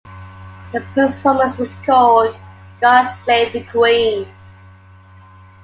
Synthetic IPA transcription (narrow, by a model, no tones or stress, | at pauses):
ðəpʰəfɔːmə̃nswʌz̥kʰɔld | ɡ̥ɑleɪv̚ðəkʰwĩn